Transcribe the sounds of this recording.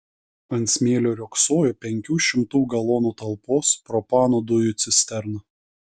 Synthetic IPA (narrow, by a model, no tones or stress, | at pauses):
ɐnt̪sʲmʲeːlʲoːɾʲoːksoːjopʲɛŋʲkʲuːʃʲɪmt̪uːɡɐlˠoːnuːt̪ɐlˠpoːspɾɔpɑːnod̪ʊjut̪sʲɪsʲt̪ʲɛɾnɐ